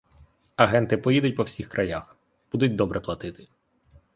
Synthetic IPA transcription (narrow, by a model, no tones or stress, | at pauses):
ɐɦɛnt̪ɪpɔjid̪ʊt̚ʲpɔwsʲixkɾʔɐjax | b̥ud̪ʊtʲd̪ɔbɾʔɛplˠɐt̪ɪt̪ɪ̥